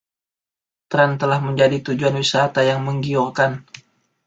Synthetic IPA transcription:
t̪ɾɛnt̪əlahməɲd͡ʒadit̪ud͡ʒuanwisat̪ajaŋməŋɡiɔrkan

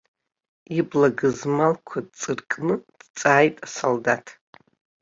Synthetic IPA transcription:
iblaɡɨzmalkʷʰad̚t͡sʼɨrkʼnɨd̥t͡sʼaːjtʼasoldatʰ

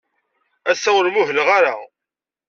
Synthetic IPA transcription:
æsːæwɾmʊɦələʁaɾa̰

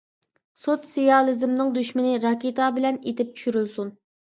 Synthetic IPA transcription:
sot̪sijɑlˠɪzɪmnɨŋd̪yʃmɪnɪɾɑkʲet̪ʰɑbɪlɛnet̪ɪp̚tt͡ʃʰy̥ʃyɾylsun

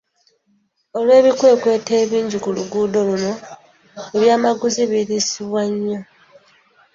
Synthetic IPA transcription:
o̞lwe̞ːβikwe̞ːkwe̞ːteːβiːɲɟikuluɡuːdo̞luno̞ | eβjaːmaɡuziβiɾisiβwaɲːo̞

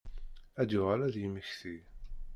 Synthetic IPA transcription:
æd̪jʊʁælæðjəməçθi

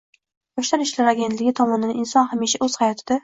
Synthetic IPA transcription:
bɒʃlaɾɪʃlaɾaɡʲent̪lɪɡʲɪt̪ʰɒmɒnɪd̪aɪnsɒnhamiʃaʔɵz̥hajɒt̪ʰɪd̪a

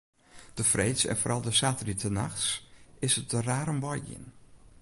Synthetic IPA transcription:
d̥əfrejtsɛ̰nfoɾʔɑlˠdəsaːtəritəna̰xsɪsət̚dəraːɾəmʋɔjɪ̰n

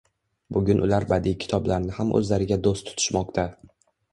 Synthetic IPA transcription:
bʊɡʲʊnʔʊlaɾbad̪ikʲʰɪ̥t̪ʰɒblaɾnɪhamʔɵ̰zlaɾɪɡʲad̪ost̪ʰːʊ̥t̪ʰʊ̥ʃmɒqt̪ʰa

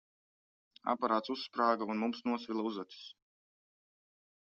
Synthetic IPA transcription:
a̰paɾaːt̪susːpɾaːɡaunmumsnuɔsvʲilˠauzat̪i̥s

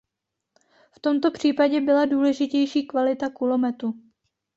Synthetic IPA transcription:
ft̪o̞mt̪o̞pr̝̥iːpaɟɛbɪladuːlɛʒɪcɛjʃiːkvalɪt̪akulo̞mɛt̪u

